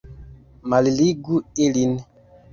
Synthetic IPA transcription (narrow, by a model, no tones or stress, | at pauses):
maliliɡuelin